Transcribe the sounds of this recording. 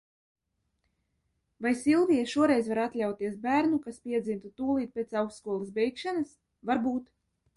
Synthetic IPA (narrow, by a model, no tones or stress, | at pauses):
vajsʲilˠvijɛʃuɔɾɛjzvaɾat̪lʲawt̪iɛsbæːɾnukaspʲiɛd̪zimt̪ut̪uːlˠiːt̪̚pʲet̪sawksskuɔlˠisbʲɛjkʃanas | vaɾbuːt̪